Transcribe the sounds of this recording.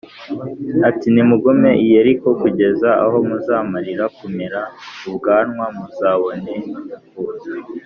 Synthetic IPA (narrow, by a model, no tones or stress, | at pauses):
atinimuɡome̞ʔijeɾiko̞kuɟe̞zaa̰ho̞muzaːmaɾiɾakume̞ɾauβɡaːnwamuzaːβo̞ne | uza